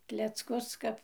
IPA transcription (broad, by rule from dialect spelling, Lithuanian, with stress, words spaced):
klʲɛt͡sˈkʊs ˈkɐp